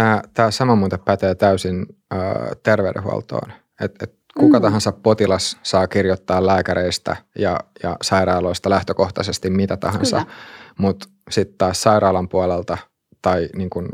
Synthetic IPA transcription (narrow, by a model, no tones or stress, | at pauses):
t̪æːt̪æːsɑmɑmuːt̪eppæt̪eːt̪æysinə̰ːt̪erʋḛdḛɦṵɑ̰lt̪o̰ːn | et̪et̪ | kukɑt̪ɑɦɑnsɑppot̪ilɑsːɑːkirjot̪ːɑːlæːkæɾeist̪æ̰jɑjɑ̰sɑiɾɑːloist̪ɑlæht̪økoht̪ɑsest̪immit̪æt̪ɑ̰ɦɑnsɑ̰mut̪ | sit̪tɑːssɑiɾɑːlɑmpuɑlelt̪ɑ | t̪ɑiniːŋkun